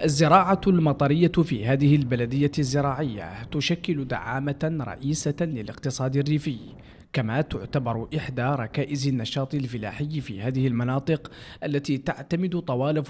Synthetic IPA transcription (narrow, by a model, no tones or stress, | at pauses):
ʔazːɪɾɑːʕalmɑt̪ˤɑɾɪjːafḭːhaːðɪhɪlbalad̪ɪjːazːɪɾɑːʕɪjːa̰t̪ʊʃakːɪlʊd̪a̰ʕaːmaɾˤɑ̰ʔiːsalɪlɪqt̪ɨsˤɑːd̪ɪrːiːfɪj | kamaːt̪ʊʕt̪abɑɾˤʔɪħd̪aɾˤɑkaːʔɪzanːɑʃɑːt̪ˤɪlfɪla̰ːħɪjːfḭːhaːðɪhɪlmɑnɑːt̪ˤɨqʔalːat̪iːt̪aʕt̪amɪd̪ʊt̪ˤɑwɑːlɪf